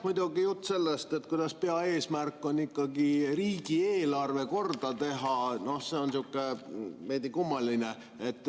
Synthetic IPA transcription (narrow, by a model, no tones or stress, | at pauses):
mujd̪uɡijut̪ːse̞lːest̪e̞t̪̚ːkujd̪̥ɑspe̞ɑe̞ːsmærkːonikːɑɡiriːɡ̥ieːlɑrve̞ko̞rd̪̥ɑt̪e̞ɦɑno̞hse̞onsiukːˑemeːd̪ikumːɑline | et̪ːˑ